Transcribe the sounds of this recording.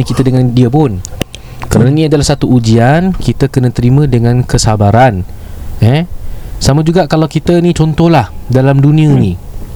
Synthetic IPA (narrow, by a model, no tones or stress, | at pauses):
əkit̪ədəŋãndiəpʊn | kəɾananĩadalahsat̪uud͡ʒiankit̪əkənãt̪əɾimə̃dəŋãnkəsabaɾanɛsamãd͡ʒuɡaʔkalawkit̪ənĩt͡ʃɔnt̪ɔhlahdalamdunĩə̃ini